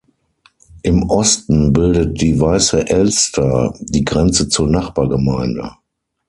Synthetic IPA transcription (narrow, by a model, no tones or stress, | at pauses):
ʔɪmʔɔstn̩bɪldət̚d̥iːvaɪsəʔɛlstʰɐd̥iːɡʁɛnt͡sət͡suːɐnaχb̥aːɐɡəmaɪndə̰